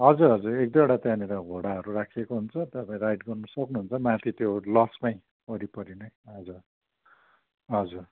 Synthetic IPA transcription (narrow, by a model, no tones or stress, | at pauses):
ɦʌd͡zuɾɦʌd͡zuɾek̚d̪eɽat̪jãniɾʌɡʱoɽaɦʌɾurakʰekoɦunt͡sʰʌt̪ʌpaj̃ɾajʈɡʌrnʌsʌknuɦunt͡sʰʌmãt̪ʰit̪jolʌsmaj̃ | ʌɾipʌɾinʌjɦʌd͡zur | ɦʌd͡zur